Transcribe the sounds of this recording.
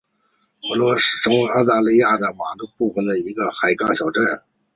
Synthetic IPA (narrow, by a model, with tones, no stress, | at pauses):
wə˧˥lwɔ˥ʂɻ̩˥˩ʈ͡ʂʰŋ˧˥ɪɑ˥˧ʊt̪a˥˧li˥˧ja˥˩d̪ə˩ma˨˩lu˥pu˥˩fə˨˩nd̪ə˩i˧˥ɡə˧xa˨˩ɪkɑ˥ŋɕjɑ˨˩ʊʈ͡ʂə˥˩n